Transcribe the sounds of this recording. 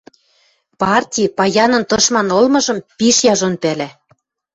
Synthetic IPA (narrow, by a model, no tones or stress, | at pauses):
pɑrtʲipɑjɑnɤ̆nt̪ɤ̆ʃmɑnolmɤ̆ʒɤ̆mpiʃjɑʒonpælæ